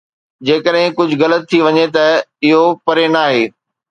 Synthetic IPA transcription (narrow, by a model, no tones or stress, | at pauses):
d͡ʑeːkəɗɦɪ̃kʊd͡ʑʱʊɣɐlət̪ʰːiʋɐɲet̪ɐɪɦopɐɾenaːɦeː